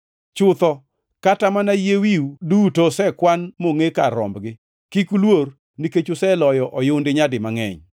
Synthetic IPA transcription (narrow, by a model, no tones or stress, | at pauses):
t͡ʃʊt̪ɔ | katamanajewiudutosɛkwanmoŋekaɾɔ̰mbɡɪ | kikulwor | niket͡ʃosɛlɔjɔʔɔjʊndɪɲadɪmaŋɛ̰ɲ